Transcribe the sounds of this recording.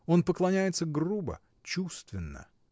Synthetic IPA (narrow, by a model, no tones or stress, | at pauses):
o̞npəklˠɐnʲæjɪt̪səɡrubə̰ | t͡ɕust̪vʲɪnːə̰